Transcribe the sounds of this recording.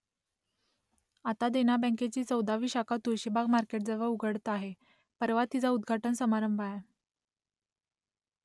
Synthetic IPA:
at̪ad̪eñabə̃ket͡ɕiːt͡səwd̪aʋiːɕakat̪uɾɕibʱaɡmaɾkeʈ̚d͡zəʋəuɡəɽt̪aɦe | pəɾʋat̪ːid͡zaud̪ɡʱaʈənsəmaɾəmbʱaj

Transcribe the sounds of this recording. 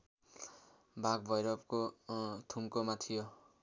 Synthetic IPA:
bʱaɡ̚bʱʌjɾʌp̚kot̪ʰumkomat̪ʰijo

